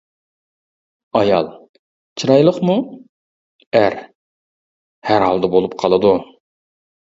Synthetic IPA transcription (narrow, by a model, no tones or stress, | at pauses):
ɑjɑlˠ | t͡ʃʰɨɾɑjlˠəχmu | æɾ | hæɾhɑ̰lˠd̪ɛbolˠupqʰɑlˠɨd̪u